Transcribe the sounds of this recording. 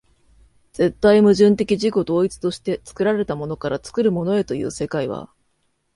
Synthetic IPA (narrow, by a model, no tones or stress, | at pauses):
d͡z̥e̞t̪ːaimɯ̟ʑɨ̃nt̪̬e̞kʲiʑiko̞d̪o̞ːit͡sɨ̥t̪o̞ɕi̥t̪e̞t͡sɨ̥kɯ̟ɾaɾe̞t̪amo̞no̞kaɾat͡sɨ̥kɯ̟ɾɯ̟mo̞no̞e̞t̪o̞jɯ̰ːse̞kaiβ̞a̰